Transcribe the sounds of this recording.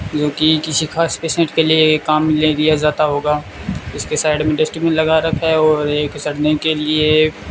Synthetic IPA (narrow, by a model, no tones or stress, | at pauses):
d͡ʒoːkikɪsixʰaːspeːsẽʈkeliekːaːmleɡijazaːt̪aɦoːɡaː | ɪskesaːɪɖmẽɖɪsʈɾibə̃nlɐɡaɾɐkʰɛɔːɾeːksɐɽnekelie